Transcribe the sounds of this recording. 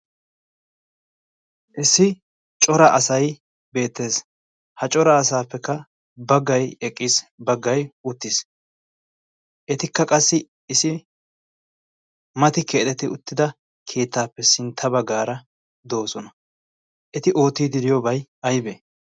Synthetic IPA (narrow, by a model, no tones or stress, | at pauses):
ʔɪsɪ | t͡ʃʼɔɾɐʔɐsɐj | be̞ːt̪ːe̞ːs | hɐt͡ʃʼɔɾɐːsaːpːɛkːɐ | bɐɡːɐjɛkʼːɪsbɐɡːɐjʊt̪ːɪs | ʔɛt̪ɪkːɐkʼɐsːɪ | ɪsɪ | mɐt̪ɪkeːt̪ɛt̪ɪʊt̪ːɪd̪ɐ | kʰe̞ːt̪ːaːpːɛsɪnt̪ʰːɐbɐɡaːɾɐ | d̪o̞ːsɔnɐ | ʔɛt̪ɪʔo̞ːt̪iːd̪ɪd̪ɪjɔbɐjɐjbe